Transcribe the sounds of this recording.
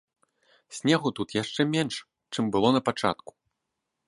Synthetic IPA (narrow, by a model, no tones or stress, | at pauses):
sʲnʲɛɣut̪ut̪jaʂt͡ʂɛmʲɛnʂ | t͡ʂɨmbɨlˠɔnɐpat͡ʂa̰t̪̚ku̥